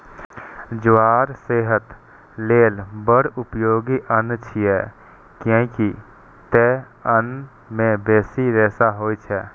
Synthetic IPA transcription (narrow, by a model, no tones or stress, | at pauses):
d͡ʒʋaːɾseːɦət̪ | leːlbəɽʊpjoːɡiʔənt͡ʃʰiɛ | kjõki | t̪e | ən | mẽbeːsiɾɛːsaɦoːjt͡ʃʰɛː